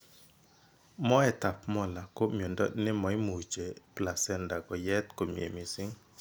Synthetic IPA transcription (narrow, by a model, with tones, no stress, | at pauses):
mɔ˦ɛ˨ta˨pmɔ˦la˨ko˦mjo˨ndɔ̰˦nɪ˦mɔ˨i˦mu˨t͡ʃe˨pla˨sɛ˦nda˨kɔ˨jɛ˦t̪ko˨mjḛ˨mi˨sɪ˦ŋ